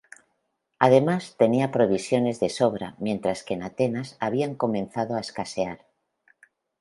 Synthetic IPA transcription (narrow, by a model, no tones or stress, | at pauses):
að̞e̞mast̪e̞niapɾoβ̞isjo̞ne̞zðe̞soβ̞ɾa̰mje̞nt̪ɾaske̞nat̪enasaβ̞iaŋko̞mẽ̞nθað̞oaeskaseaɾ